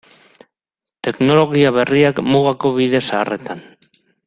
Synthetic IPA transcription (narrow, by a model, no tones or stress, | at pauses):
t̪e̞kno̞lo̞ɣiaβe̞riakmuɣako̞βiðe̞saːre̞t̪an